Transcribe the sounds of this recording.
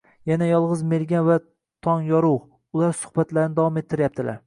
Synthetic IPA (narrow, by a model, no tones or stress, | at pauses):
janajɒlˠʁɨzme̞ɾɡʲanva | t̪ʰɒnjɒɾʊʁ | ʊlˠaɾsʊ̥hbat̪laɾnɪd̪avwɒmet̪ʰːɪɾjap̚t̪ʰɪla̰ɾ